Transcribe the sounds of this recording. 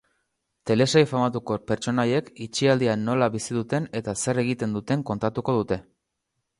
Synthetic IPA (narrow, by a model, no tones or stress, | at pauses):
t̪e̞le̞sajfamat̪uko̞pe̞ɾt͡ʃo̞naje̞kit͡ʃiald̪ianːo̞laβisiðut̪e̞ne̞t̪ase̞re̞ɣ̞it̪e̞nd̪ut̪e̞ŋko̞nt̪at̪uko̞ð̞ut̪e̞